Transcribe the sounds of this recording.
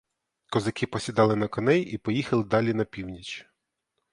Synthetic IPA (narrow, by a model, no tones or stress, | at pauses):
kɔzɐkɪpɔsʲid̪ɑlˠɪnɐkɔnɛjipɔjixɐlˠɪd̪ɑlʲinɐpʲiwnʲit͡ʃʲ